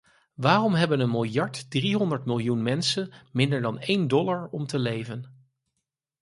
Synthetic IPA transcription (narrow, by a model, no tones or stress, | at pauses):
ʋaːrɔmɦɛbənənmɪlˠjɑɹtdriɦɔndəɹtmɪlˠjunmɛnsənmɪndəɹdɑnejndɔlaɹɔmtəlejvən